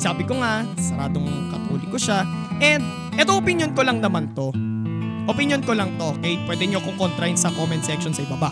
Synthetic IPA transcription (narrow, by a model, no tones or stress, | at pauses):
saːbɪkoŋasɛɾaːd̪oŋkɐt̪o̰ːlɪkoʃaʔɛnd̪̚ | ʔɛt̪oʔopɪnjonkolɐŋnɐmant̪o̞ | ʔopɪnjonkolɐŋt̪o̞kɛjpwɛd̪ɛɲokokont̪ɾɐɪnsɐkoːmɛnsɛkʃonsɐɪbaba